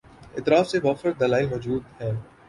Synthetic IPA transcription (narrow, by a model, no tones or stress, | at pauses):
ɪt̪ɾaːfseʋaːxəɾd̪ɐlaːɪlmɔːd͡ʒuːd̪hɛː